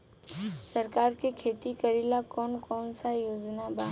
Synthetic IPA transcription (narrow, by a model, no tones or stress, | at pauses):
səɾkaːɾkekʰeːt̪ikəɾiːlakɔːnkɔːnsajoːd͡ʒnabãː